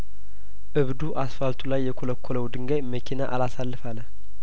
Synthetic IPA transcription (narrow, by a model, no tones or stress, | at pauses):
ʔɨβd̪uʔasfalt̪ʰulajːɛkʰoləkʰːoləwd̪ɨŋɡəjməkʰinaʔalasalːɨfalːə